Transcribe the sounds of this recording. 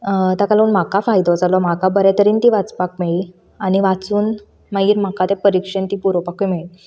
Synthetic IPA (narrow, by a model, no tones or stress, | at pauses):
t̪akalaunm̤akafajd̪ɔd͡zalɔm̤akabəɾɛt̪əɾiːnt̪iʋat͡spak̚meɭiː | aniʋat͡suːn | maiːɾm̤akat̪epəɾikʂənt̪ipuɾopakumeɭi